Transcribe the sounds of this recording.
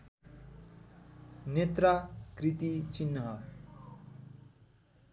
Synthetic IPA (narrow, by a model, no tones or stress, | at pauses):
net̪rakrit̪it͡sinːʌɦʌ